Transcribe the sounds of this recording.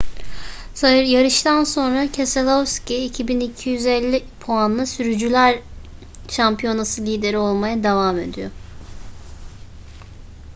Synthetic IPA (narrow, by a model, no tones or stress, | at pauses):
sajɯɾjaɾɯʃt̪ʰanso̞nɾacʰeselʲˠofsciicʰibinicʰijyzɛlʲːipʰoanlˠɯsyɾyd͡ʒylʲæɾ | ʃampʰijo̞nasɯlʲiːd̪e̞ɾio̞lˠmajad̪avaːme̞̰d̪ḭjo̞̰